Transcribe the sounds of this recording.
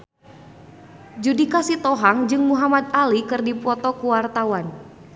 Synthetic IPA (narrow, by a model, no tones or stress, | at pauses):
d͡ʒudikasit̪ɔɦaŋd͡ʒɨŋmuɦamat̪̚alikɨrdipɔt̪ɔkuwart̪awan